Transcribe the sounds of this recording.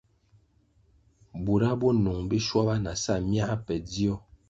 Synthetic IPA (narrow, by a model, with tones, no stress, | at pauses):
bu˨ɾa˦bɔ˦nu˨ŋbi˦ʃwa˦ba˦na˨sa˦˨mja˦a˦pɛ˨d͡zi˦ɔ˦